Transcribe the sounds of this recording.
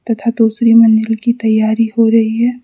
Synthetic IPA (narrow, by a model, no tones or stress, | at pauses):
t̪ɐt̪ʰad̪uːsɾimɐ̃nd͡ʒəlkit̪ɐjːaːɾiɦoɾɐɦiɦɛː